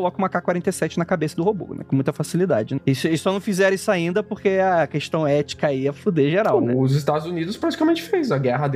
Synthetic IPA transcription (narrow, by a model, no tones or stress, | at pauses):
olɔkũmɐkakwaɾẽnt̪esɛt͡ʃɪnɐkabesɐd̪ʊhobo̰nɛ̰kõmũj̃t̪ɐfasilid̪ad͡ʒɪnɛisʊisɔnɐ̃w̃fizɛɾisaĩnd̪ɐpoχkeakeʃt̪ɐ̃w̃ɛt͡ʃi̥kaiɐfud̪eʒeɾawwzɪst̪ad̪ʊzunid̪ʊspɾat͡ʃi̥kamẽnt͡ʃɪ̥fejzɐɡɛɦɐd̪